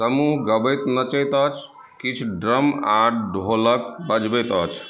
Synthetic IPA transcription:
səmuɦɡəbəjt̪nət͡ʃət̪ət͡ʃʰ | kit͡ʃʰɖɾəmaɖɖʱolək̚bəd͡ʒbət̪ət͡ʃʰ

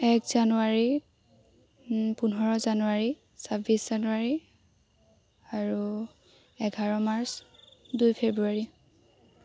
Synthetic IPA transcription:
ɛkʰz̥anuaɹi | punɦɔɹɔzanuaɹi | sabisz̥anuaɹi | aɹu | ɛɡʱaɹɔmaɹsdujpʰebɹuaɹi

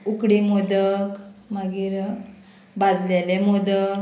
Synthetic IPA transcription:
ukɽimod̪əkmaɡiːɾ | bad͡zlelemod̪ək

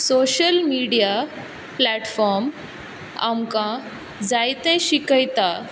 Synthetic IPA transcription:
soɕəlmiɽija | plɛʈfɔɾm | a̰mkã | d͡zajt̪ɛ̃ɕikəjt̪a

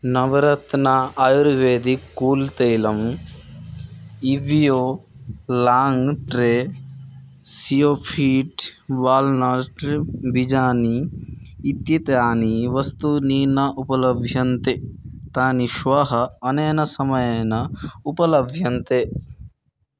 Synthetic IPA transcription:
nɐʋɾɐt̪naajuɾʋeːd̪ikːuːlt̪ejlɐm | iʋjoː | laːŋɡʈɾe | sijoːpʰiːʈʋaːlnɐɾʈɾbid͡ʒaːniː | t̪jit̪jaːniʋɐst̪uniːnɐʔupɐlɐbʱjɐnt̪et̪aːniʃʋɐɦɐɐneːnɐsɐmɐjɐnɐupɐlɐbʱjɐnt̪e

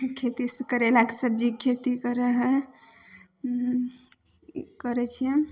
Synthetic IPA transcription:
kʰet̪iskəɾelakesəb̚d͡ʒikʰet̪ikəɾəɦɛ | kəɾɛt͡ʃʰijɛ

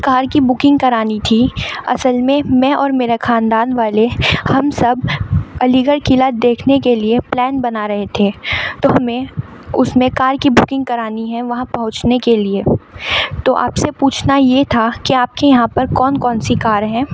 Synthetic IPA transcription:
kaːɾkibʊkɪ̃ŋɡ̚kɐɾaːnit̪ʰiɐ̰səlmẽmɛ̃ʔɔːɾmeːɾaxaːnd̪aːnʋaːlehɐmsɐbɐliːɡəɾkɪlad̪eːkʰnekelieplɛːnbɐnaɾɐɦet̪ʰeːt̪oːɦɐmẽʊsmẽkaːɾkibʊkɪ̃ŋɡkɐɾaːniɦɛ̃ʋɐɦãpɐɦʊ̃t͡ʃnekelie | t̪oʔa̰ːpsepuːt͡ʃʰnajet̪ʰakiaːp̚kejɐɦãpɐɾkɔːnkɔːnsikaːɾɦɛ̃ː

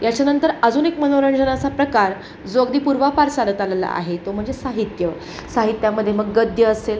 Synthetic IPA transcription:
jat͡ɕjanənt̪əɾəd͡zuːnekmənoɾəɳd͡ʑənat͡sapɾəkaɾ | d͡zoəɡd̪iːpuɾʋapaɾsanət̪alala̰a̰ɦet̪om̤əɳd͡zesaɦit̪jə | saɦit̪jaməd̪ʱːjeməɡːəd̪ʱjəːsel

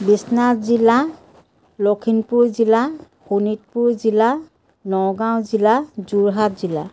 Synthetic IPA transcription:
bisnatzila | lokʰinpuɹzila | xunit̚puɹzila | nɔɡãw̃zilazuɹɦat̚zila̰

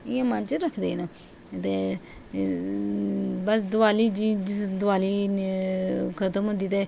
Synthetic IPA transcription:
ɪjãːmənt͡ʃɾəkʰd̪eːna | t̪e | bəs̬d̪ʊaːliːd͡ʒid͡ʒd̪ʊʋaːliː | kʰət̪əmɦõnd̪iːt̪eː

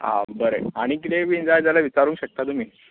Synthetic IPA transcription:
ã̰bəɾeaɽ̃ikit̪eʋind͡zajd͡zalaʋit͡ɕaɾũːŋkɕək̚t̪at̪umi

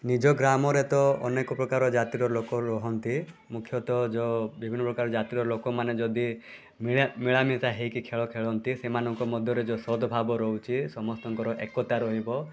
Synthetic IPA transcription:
nid͡ʒɔɡɾamɔɾet̪ɔɔnekɔpɾɔkaɾɔd͡ʒat̪iɾɔɾlokɔɾɔɦɔnt̪imukʰːjɔt̪ɔd͡ʒɔbibʱinːɔpɾɔkaɾɔd͡ʒat̪iɾɔɾlokɔmaned͡ʒɔd̪i | mimiɭamit̪aɦejkikʰeɭɔkʰeɭɔnt̪isemanɔŋkɔmɔd̪ʱjɔɾed͡ʒɔsɔd̪ʱɔbʱabɔɾɔɦut͡ʃʰisɔmɔst̪ɔŋkɔɾɔʔekɔt̪aɾɔɦibɔ

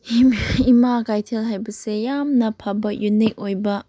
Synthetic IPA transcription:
iimaɡajtʰelɦajbɐsejamnɐpʰabɐkjunik̚ojbɐ

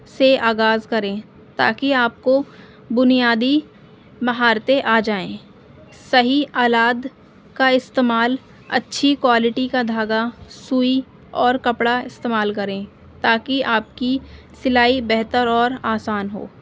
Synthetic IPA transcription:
seaːɡaːzkɐɾẽː | t̪a̰ːkiaːp̚ko | bʊnijaːd̪i | mɐɦaːɾt̪eʔaːd͡ʒaːẽː | sɐɦiaːlaːd̪ | kaɪst̪eːmaːl | ɐ̰tːʃʰikwaːlɪʈikad̪ʱaːɡasuːi | ɔːɾkɐpɽaɪst̪eːmaːlkɐɾẽː | t̪aːkiaːp̚ki | sɪlaːibɛɦt̪əɾɔːɾaːsaːnɦo̰ː

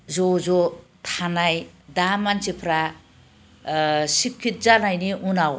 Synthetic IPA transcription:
zozot̪ʰanajd̪amant͡ʃʰepʰɾa | sikʰːit̪̚zanajniunaw

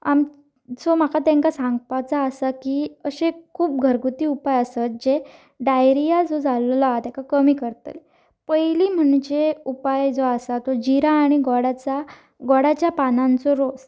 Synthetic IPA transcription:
am | d͡zɔm̤akat̪ẽŋkasãŋɡpat͡saːsakiːəɕekʰuːp̚ɡʱəɾɡut̪iːupajəsət̪̚d͡ʑe | ɖajɾijad͡zod͡zʱallɔat̪akakəmiːkəɾt̪ə̰l | pəjliːm̤əɽ̃d͡ʑeupajd͡zoasat̪od͡ʑiɾaːɽ̃iɡɔɽat͡sa | ɡɔɽat͡ɕjapanãnt͡sɔɾos

